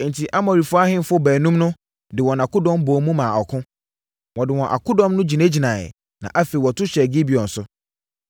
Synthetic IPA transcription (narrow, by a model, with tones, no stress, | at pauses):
n̩˨tʰi˨ʔa˦mɔ̃˨ɾi˨fʊ˦a˦hɪ̃˦m˦fʊ˦bæː˨nũ˦mnʊ̃˦ | dɪ˨wɔ˨nã˨kʊ˦dɔ̃˦mboː˨mũ˦mã˨ɔ˨kʰʊ̃˦ | wɔ̃˨dɪ˨wɔ̃˨ʔa̰˨kʰʊ˦dɔ̃˦mnʊ̃˦d͡ʑi˨nẽ˦d͡ʑi˨nã̰˨ | nã̰˨ʔa˦fe˨wɔ˨tʰʊ˦ɕɛ˨ɡɪ˦bi˨ɔ̃˨n̩˨sʊ˦